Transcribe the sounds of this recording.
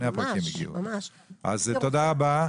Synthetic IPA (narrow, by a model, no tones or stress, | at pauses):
neapʁkimːiɡḭl̰ | a̰zt̪od̪aaba